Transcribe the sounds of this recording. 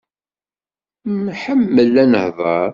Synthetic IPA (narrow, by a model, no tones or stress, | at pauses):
mħəmːəlænəhðˤɑɾ